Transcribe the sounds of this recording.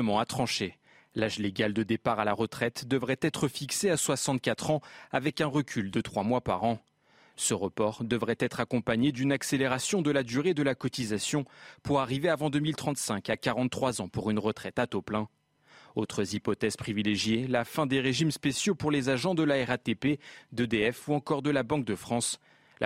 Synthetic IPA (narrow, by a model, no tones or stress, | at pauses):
əmɑ̃at̪χɑ̃ʃe | laʒleɡʲald̪əd̪epaʁalaʁət̪χɛt̪d̪əvʁɛt̪ɛt̪χəfikseaswasɑ̃t̪̚kat̪χɑ̃avɛkɛ̃ʁəkʲʰyld̪ət̪χwamwapa̰ʁɑ̃ | səʁəpɔʁd̪əvʁɛt̪ɛt̪χakɔ̃paɲed̪ynakseleʁasjɔ̃d̪əlad̪yʁed̪əlakɔt̪izasjɔ̃puʁaʁiveavɑ̃d̪əmilt̪χɑ̃t̪sɛ̃kakaʁɑ̃t̪ːχwazɑ̃puʁynʁət̪χɛt̪at̪oplɛ̃ | ot̪χəzipɔt̪ɛz̥pχivileʒjelafɛ̃d̪eʁeʒimspesjopuʁlezaʒɑ̃d̪əlaɛʁat̪eped̪əd̪eɛfuɑ̃kɔʁd̪əlabɑ̃k̚d̪əfχɑ̃s | la